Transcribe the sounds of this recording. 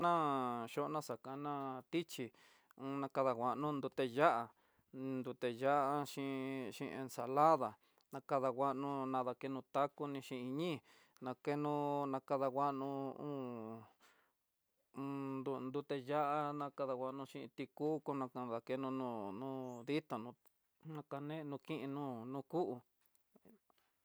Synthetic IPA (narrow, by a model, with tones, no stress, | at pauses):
nã˦ʃo˦ʔnã˦sa˨kã˧nã˦˧t̪i˦t͡ʃi˧ | ũ˧nã˧ka˧ða˧˨wʷa˨ʔnũ˦nd̪u˧t̪e˧ja˦ʔã˧ | nd̪u˧t̪e˧ja˦ʔa˧ʃĩ˧ʃḭ̃˧ḛ˧nsa˧la˦ða˨ | nã˧ka˧ða˧wʷa˧˦ʔnũ˧nã˧ða˧ke˧nũ˧t̪a˦ku˧nĩ˧ʃĩ˧i˧ɲĩ˦ | nã˧ke˦nũ˧nã˧ka˧ða˧ɣʷa˦ʔnũ˧ũ˦˧ | d̪u˧nd̪u˧t̪e˧ja˦ʔa˧nã˧ka˧ða˧wʷa˧˦˧nũ˧ʃĩ˧ḭ̃˧t̪i˧ku˦ko˧nã˧ka˧ða˧ke˧nũ˧nũː˧˨nũː˦ði˦t̪a˨nũ˧ | nã˧ka˧nẽ˦˧nũ˧kĩ˦ʔĩ˧nũː˦nũ˦ku˦ʔu˧